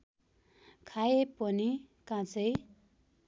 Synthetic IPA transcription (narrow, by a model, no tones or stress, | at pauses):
kʰajepʌni | kãt͡sʌj